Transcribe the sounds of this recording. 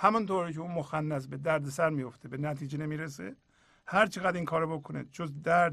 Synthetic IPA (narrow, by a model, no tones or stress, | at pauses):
hæmunt̪ʰoːɾicʰeuːnmoxænːæs̬bed̪æɾd̪esæɾmijoft̪ʰebe̞næt̪ʰiːd͡ʒenemiːɾes̬ḛ | hæɾt͡ʃʰeɣæd̪iŋkʰɒːɾɒbokʰonḛd͡ʒozd̪æɾd̪